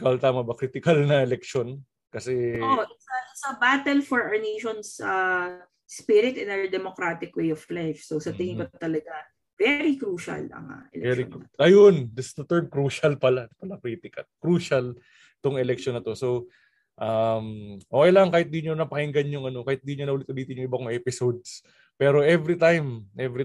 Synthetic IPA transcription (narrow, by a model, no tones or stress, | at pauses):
ɡawɐlt̪aːmɐbɐkɾiːt̪ɪkɐlnɐʔɛlɛk̚ʃo̞n | kɐsɛoʔsɐsɐbat̪ɛlfɔɹʔɐɹneːʃonsɐ | spiɾɪt̪ɪnɐd̪ɛmokɾat̪ɪkwejʔɔvlajfsosɐt̪ɪŋɪkɐt̪ɐlɐɡa | vɛɾikɾuːʃɐ̰lɐ̰ŋɐ̰ʔɛ̰lɛɛɾʔɐjond̪ɪsɪsd̪ɐt̪ɛɹd̪̚kɾuːʃɐlpɐlapɐlakɾiːt̪ɪkɐt̪̚kɾuːʃɐl | t̪oŋɛlɛk̚ʃonːɐt̪o̞so̞w | ʔɐmʔoːkejlaŋɐŋkaːhɪt̪̚d̪iːɲonɐpɐhɪŋɡɐnjʊŋɐno̞kaːhɪt̪̚d̪iːɲonɐʔuːlɪt̪̚ʔʊliːt̪ɪɲjʊŋʔɪbɐkoŋʔɛːpɪsowd̪̚s | pɛːɾo̞ʔɛvɾit̪ajmʔɛvɾi